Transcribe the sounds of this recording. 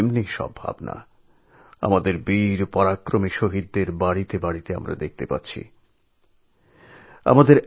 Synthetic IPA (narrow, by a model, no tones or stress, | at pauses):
mniʃɔ̰bʱa̰bna̰ | a̰mad̪eɾbiɾpɔɾakɾomiʃoɦid̪̚ːeɾbaɽit̪ebaɽit̪ea̰mɾa̰d̪ek̚ʰt̪epatːɕʰḭ | a̰mad̪eɾ